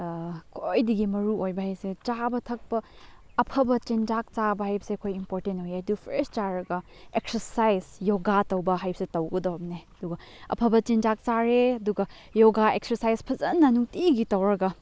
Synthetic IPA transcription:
kʰojdiɡimɐɾuojbɐhajset͡ʃabɐtʰɐk̚pɐː | pʰɐbɐt͡ʃend͡ʒak̚t͡ʃabɐhajbɐ̥sekʰojimpoɾtentojedupʰɾeɾst͡ʃaɾɐɡɐ | eksɐɾsajzjoɡatɐwbɐɦajbɐ̥setɐwɡɐdobneɐduɡɐ | ɐ̰pʰɐbɐt͡ʃend͡ʒak̚t͡ʃaɾeɐduɡɐ | joɡaek̚sɐɾsajspʰɐzɐnːɐnuŋtiɡitɐwɾɐɡɐ

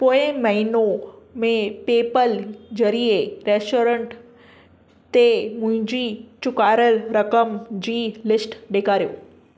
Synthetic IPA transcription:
poːɪmɐɦinomẽpeːpəld͡ʑɐɾieɾeːsʈoːɾə̃ɳʈ | t̪emʊ̃ɦɪ̃ɲd͡ʑit͡ɕʊkaːɾəlɾɐkəmd͡ʑiːlɪsʈɗeːkaːɾijo̰ː

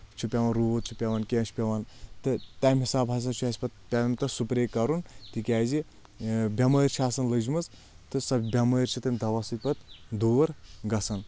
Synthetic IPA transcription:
t͡ʃʰupʲaʋɐnɾuːʋot̪̚t͡ʃʰupʲaʋankʲent͡ʃʰʲpʲɐʋant̪ɨt̪aːmʲɦisaːbʱas̬ɐnt͡ʃʰuasʲpɐt̪̚pʲaɐmt̪ɨsupɾeːkːɐɾunt̪ikʲaːzi | bʲɐməːɾʲt͡ʃʰaːsɐnlɨd͡ʒmɨz | t̪ɨsɐbbʲɐməːɾʲt͡ʃʰit̪ɨnʲd̪ɐʋasɨt̪̚ʲpɐt̪d̪uːʋɐɾɡɐsɐn

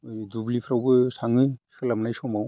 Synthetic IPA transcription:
jdublipʰɾawbɯsaŋɯsɯlamnajsɔmaw

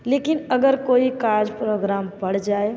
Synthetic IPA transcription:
leːkɪnɐɡəɾkoːikaːɾd͡ʒpɾoːɡɾaːmpɐɽ̤d͡ʒaːe

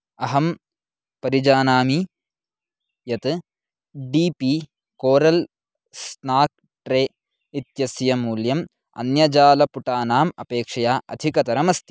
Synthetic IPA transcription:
ɐɦɐm | pɐɾid͡ʒaːnaːmi | jɐt̪ | ɖiːpi | koːɾɐl | snaːk̚ | ʈɾeː | it̪jɐsjɐmuːljɐm | ɐ̰njɐd͡ʒaːlɐpuʈaːnaːmɐ̰peːkʂɐjaːʔɐ̰d̪ʱikɐt̪ɐɾɐmɐst̪i̥

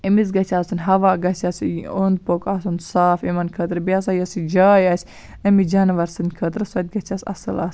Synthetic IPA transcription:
əmit͡sɡɐt͡ʃʰasɨnɦɐʋaɡɐt͡ʃasiond̪̚pokasunsaːfimɐnkʰət̪ɾbijas̬ajəsid͡ʒaːjasʲ | ɐmid͡ʒanɐʋɐɾsɨnkʰət̪ɾsuɐt̪̚ɡɐt͡ʃasɐ̰səlas

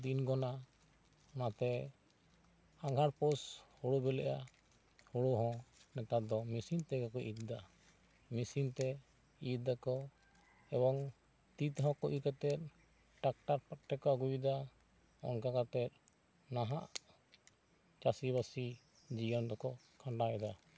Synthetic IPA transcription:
d̪inɡɔna | ɔnat̪ɛ | aɡʱaɾpɔshoɽubɛlɛʔa | hoɽoɦɔ̃nɛt̪ad̪ɔmisint̪ɛɡɔkɔʔit̪̚d̪a | misiŋt̪ɛ | it̪̚d̪akɔ | ɛbɔŋ | t̪it̪ɦɔ̃kɔʔikat̪ɛt̪̚ | ʈak̚ʈaɾpat̪̚ʈɛkɔaɡujid̪a | ɔ̰nkakat̪ɛt̪̚ˀ | naɦaʔ | t͡ʃasiβasi | d͡ʒijɔnd̪ɔkɔ | kʰãɳɖaɛd̪a

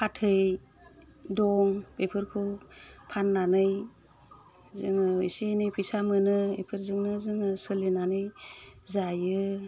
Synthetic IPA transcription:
pʰatʰɯj | dɔŋpepʰɯɾkʰɯwpʰanːanɯj | zɯŋɯḭsinɯjpʰisamɯnɯepʰɯɾzɯŋnɯzɯŋɯsɯlinanɯjzajɯ

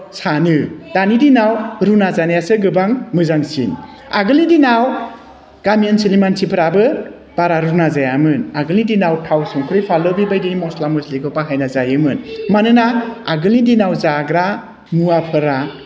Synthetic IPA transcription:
sanɯd̥anidinawɾunazanajasɯɡɯbaŋmɯzaŋsḭn | aɡɯlnidinaw | ɡ̥amijansilimansipʰɾabɯ | b̥aɾaɾunazajamɯnaɡɯlidinawtʰawsɯŋkʰɯɾijpʰalɯbibajdinimɔslamɔsliɡɯpaɦajnazajɯmɯnmanɯnaːɡɯlidinawzaɡɾa | muapʰɯɾa

